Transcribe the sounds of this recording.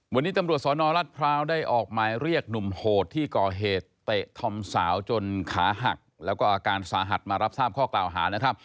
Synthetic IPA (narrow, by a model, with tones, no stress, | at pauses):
wa˧nːiː˦˥t̪a˧mɾu˨˩ət̪̚sɔː˨˦nɔː˧ɾa˦˥t̪̚pʰɾaː˦˥wdaː˥˩jʔɔː˨˩k̚maː˧jɾi˥˩ək̚nu˨˩mhoː˨˩t̪ʰːiː˥˩kɔː˨˩ɦeː˨˩t̪ːe˨˩t̪ʰɔ˧msaː˩˦wt͡ɕo˧nkʰa̰ː˩˦ɦa̰˨˩k̚lɛ˦˥wkɔː˥˩ʔaː˧kaː˧nsaː˨˦ɦa˨˩t̪̚maː˧ɾa˦˥p̚saː˥˩p̚kʰɔː˥˩klaː˨˩wɦa̰ː˩˦na˦˥kʰɾa˦˥p̚